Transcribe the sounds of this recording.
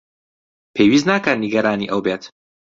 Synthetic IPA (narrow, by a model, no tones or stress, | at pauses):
pʰejwiːznaːkənniɡɐɾaːnḭːʔɐwbeːt̪